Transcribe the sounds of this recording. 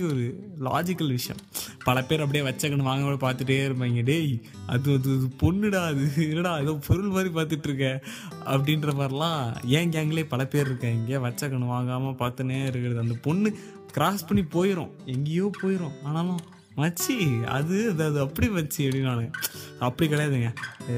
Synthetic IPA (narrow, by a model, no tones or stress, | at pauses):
iɔɾɯla̰ːd͡ʒɪkːɐlʋɪʂɐjɐ̰̃mpɐɭɐpeːɾɐp̬ɐɽɪjeːʋɐt͡ʃːɐkːɐɳɯ̃ʋaːŋɡɐmɐɐpaːɾt̪ɯʈːeːɪɾɯmɐŋɡɐɖej | ɐ̰ðɯɐðɯɯpɔnːɪɽaːɐðɯɪnɐnaːɐðõːpʰɔɾɯɭmaːd̪ɾipaːɾt̪ɯʈːɾɯkːɛ̃ | ɐ̰pːɐɽɪnɾɐpaːɾɐlãːẽːŋɡɛːŋɡɐɭeːpɐlɐpeːɾɪɾɯkːɐ̃ɛŋɡeːʋɐt͡ʃːɐkːɐɳɯʋaːŋɡaːmɐpaːɾt̪ɯneɪɾɯkːɪɾɐðɯɐnd̪ɐpɔɳːɯ | kɪɾaːspɐɳːipoːjɪɾõ̰ː | ɛŋɡejoːpoːjɪɾõːaːnaːlõː | mɐt͡ʃːiɐ̰ðɯɐðɐðɯɐpːɐɽiʋɐt͡ʃːɯɐpːɐɽinːaːnɯɡɐɐpːɐɽikɐɽɐjaːðɯŋɡɐ